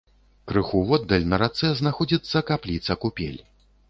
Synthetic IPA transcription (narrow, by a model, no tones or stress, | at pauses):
kɾɨxuvɔd̪ːɐlʲnɐɾat̪sɛznaxɔd͡zʲit̪sːɐkaplʲit̪sɐkupʲḛlʲ